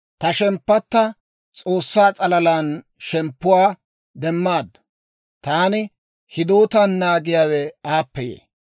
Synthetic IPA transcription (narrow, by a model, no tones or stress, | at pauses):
t̪ɐʃɛmpːɐt̪ːɐ | t͡sʼo̞ːsːaːt͡sʼɐlɐlaːn | ʃɛmpːʊwaː | d̪ɛmːaːd̪ːɐ | t̪aːnɪ | hɪd̪oːt̪anːaːɡɪjaːwɛaːpːɛjḛː